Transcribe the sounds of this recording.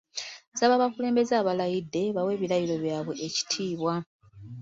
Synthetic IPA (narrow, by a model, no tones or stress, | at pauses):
zaβaβakule̞ːmbe̞zaːβalajidːe̞βawe̞ːβiɾajilo̞βjaːβwe̞ʔeci̥tʰiːβwa